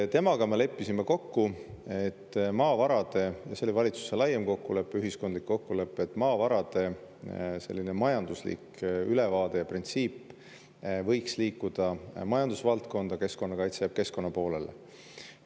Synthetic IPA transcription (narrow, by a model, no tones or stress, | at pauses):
t̪e̞mɑɡ̥ɑme̞le̞pːisimeko̞kːue̞t̪ːmɑːvɑɾɑd̪̥e̞jɑselivɑlʲit̪su̥selɑjemko̞kːule̞pːˑeyɦisko̞nd̪likːo̞kːule̞pːˑe̞t̪ːˑmɑːvɑɾɑd̪e̞ | se̞̰lʲːine̞mɑjɑnd̪uslḭk | yle̞vɑːd̪̥e̞jɑprint̪siːpː | vɤ̞jksliːkːˑud̪̥ɑmɑjɑnd̪usvɑlt̪̚ko̞nd̪̥ɑke̞sko̞nːɑkɑjt̪sejɑb̥ke̞sko̞nːɑpo̞ːlelḛ